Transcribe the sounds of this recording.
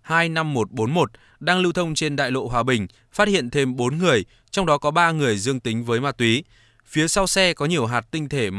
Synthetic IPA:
haː˧jna˧mːo˨˩t̚ɓo˨˦nmo˨˩t̚ | ɗaː˧ŋlɨ˧wt̪ʰə˧wŋ͡mt͡ɕe˧nɗa̰ː˧˨jlo̰˧˨ɦwaː˨˩ɓï˨˩ŋ̟ | faː˦˥t̚hḭ˧˨ə˨nt̪ʰe˧mɓo˨˦nŋɨ˨˩əj | t͡ɕɔ˧wŋ͡mɗɔ˨˦kɔ˨˦ɓaː˧ŋɨ˨˩əjzɨ˧əŋt̪ï˨˦ŋ̟vəː˨˦jmaː˧t̪wi˨˦ | fi˨˦əsa˧wsɛ˧kɔ˨˦ɲi˨˩əwɦaː˨˩t̚t̪ï˧ŋ̟t̪ʰe˧˩m

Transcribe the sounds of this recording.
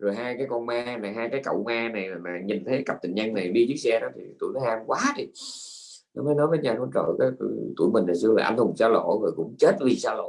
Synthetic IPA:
zo˨˩jɦaː˧jkaː˨˦jkɔ˧nmaː˧na˨˩ɦaː˧jkaː˨˦jkə̰˧˨wmaː˧na˨˩ja˨˩maː˨˩ɲi˨˩nt̪ʰə˨˦ka˨˩p̚t̪ï˨˩ŋ̟ɲə˧ŋna˨˩jɗi˧zɨ˦˥k̚sɛ˧ɗɔ˨˦t̪ʰi˨˩˦t̪ṵ˧˩˨lɔ˨˦haː˧mkwaː˨˦ɗi˨˩ | nɔ˨˦məː˨˦jnɔ˨˦jvəː˨˦ɲaː˨˩nɔ˨˦t͡ɕə̰ː˧˨˩kaː˨˦jt̪t̪ṵ˧˩əjmi˨˩ŋna˨˩sɨ˧laː˨˩ʔa̰˧nhʊ˨˩ŋ͡msaː˧lo̰˧˨voː˨˩kʊ̰˧˥ŋ͡mt͡ɕe˦˥t̚vi˨˩saː˧lo̰˧˨

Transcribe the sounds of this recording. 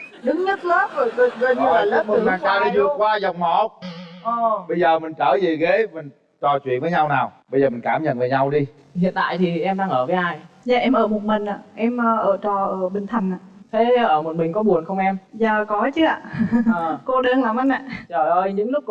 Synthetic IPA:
ɗɨ˨˦ŋɲə˦˥t̚ləː˦və˨˩jkə˧˨˩zə˧˩˧a˨˩lə˦˥m˨˩aː˨˩t͡ɕaː˧wɗi˧vɨ˨˩əkwaː˧za˨˩wk͡p̚mɔ˧˩ʔo˨˧˩ɓə˧jzəː˨˩mï˨˩ŋ̟t͡ɕəː˧˩zi˨˩ɣe˨˦mi˨˩ | t͡ɕɔ˨˩t͡ɕwḭ˧˩ənvəː˨˦ɲa˧wnaː˨˩wɓə˧zəː˨˩mi˨˩ŋ̟kaː˧˩mɲə̰˧˨nvəː˨˦ɲa˧wɗi˧ | hḭ˧˨ənt̪a̰ː˧˨jt̪ʰi˨˩ʔɛ˧mɗaː˧ŋʔəː˧˩vəː˨˦ʔaː˧˩jza̰ː˧˨˩ʔɛ˧mʔəː˧˩mo˨˩t̚mï˨˩ŋ̟ʔa̰ː˧˨ʔɛ˧mʔəː˧ʔəː˧˩t͡ɕɔ˨˩ʔəː˧˩ɓï˨˩ŋ̟t̪ʰə˨˩jŋ̟ʔaː˧˨˩t̪ʰe˨˦˧ʔəː˧˩mo˨˩t̚mï˨˩ŋ̟kɔ˨˦ɓu˨˩ənxə˧wŋ͡mʔɛ˧mzaː˨˩kɔ˨˦t͡ɕɨ˨˦˥ʔa̰ː˧˨˩ | ko˧ɗə˧nlaː˨˩mʔa˧na̰ː˧˨t͡ɕɔ˧˩ɗo˧jɲɨ̰˧˥ŋlʊ˦˥

